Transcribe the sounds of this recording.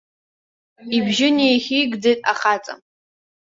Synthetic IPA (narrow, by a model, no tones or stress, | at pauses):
ibʒɪnejχʲiɡdejtʼa̰χat͡sʼa̰